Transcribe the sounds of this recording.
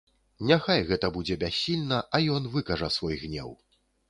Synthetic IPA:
nʲaxajɣɛt̪ɐbud͡zʲɛbʲasʲːilʲnɐʔɐjɔn̪vɨkɐʐɐsvɔjɣnʲɛ̰w

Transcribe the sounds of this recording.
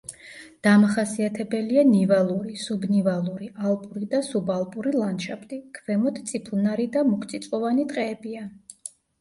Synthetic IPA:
d̪̥amaχasiat̪ʰɛbɛlianivalˠuɾisubnivalˠuɾialˠpʼuɾid̪asubalˠpʼuɾilˠanʃapʰt̪ʼikʰvɛmɔt̪ʰt̪sʼipʰlˠnaɾid̪amukʰt̪sʼit̪sʼqʼɔvanit̪ʼqʼɛːbia

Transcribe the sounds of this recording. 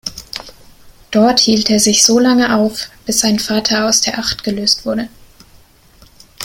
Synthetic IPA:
d̥ɔɐthiːlteːɐzɪçz̥oːlaŋəʔaʊfb̥ɪsz̥aɪnfaːtʰɐaʊsd̥eːɐʔaχtɡ̥əløːstv̥ʊɐdə

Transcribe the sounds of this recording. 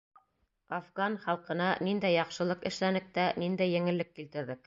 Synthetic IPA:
afɡɑnχɑlˠqɤ̆nɑnind̪æjɑqʃɤ̆lˠɤqɘ̆ʃlænɘ̆k̚t̪ænind̪æjːɘ̆ŋɘ̆lːɘkːilt̪ɘ̆ɾðɘk̚

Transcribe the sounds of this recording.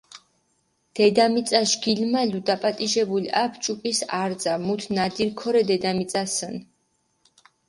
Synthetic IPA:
d̪̥ɛd̪amit̪sʼaʃɡ̥ilmalud̪apʼat̪ʼiʒɛbuliapʰt͡ʃʼukʼisaɾd̪zamut̪ʰnad̪iɾkʰɔɾɛd̪ɛd̪amit̪sʼasən

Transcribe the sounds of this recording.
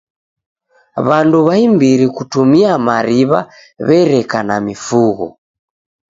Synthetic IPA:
βanduβaimbiɾikutumiamaɾiβa̰ | βɛɾɛkanamifuɣɔ̰

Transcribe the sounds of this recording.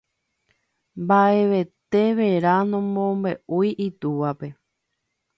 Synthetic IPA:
mbaʔe̞ʋe̞t̪e̞ʋeɾanõmõmbe̞ʔujʔit̪uʋape̞

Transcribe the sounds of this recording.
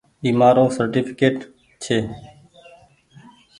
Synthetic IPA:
iːmaːɾõːsəɾʈiːpʰɪkeːʈ | t͡ʃʰeː

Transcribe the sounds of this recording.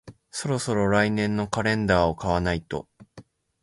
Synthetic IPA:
so̞ɾo̞so̞ɾo̞ɾainẽ̞nːo̞kaɾẽ̞nd̪aːokaβanait̪o̞̰

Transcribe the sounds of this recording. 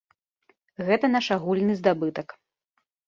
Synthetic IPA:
ɣɛt̪ɐnaʂaɣulʲnɨzd̪abɨt̪ɐk

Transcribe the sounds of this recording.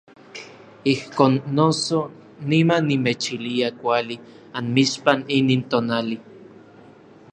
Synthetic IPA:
ihkoːnːoso | nimanːimet͡ʃiliakʷali | anmiʃpaniniːnt̪oːnali

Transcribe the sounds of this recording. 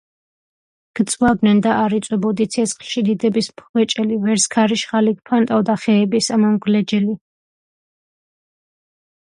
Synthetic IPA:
ɡ̥t̪sʼwavd̪nɛnd̪aʔːɾit̪sʼwɛbɔd̪it̪sʰɛsχʃid̪id̪ɛbispʰɛt͡ʃʼɛlivɛɾskʰaɾiʃχaliɡ̚pʰant̪ʼavd̪aχɛːbisamɔmɡlɛd͡ʒɛli

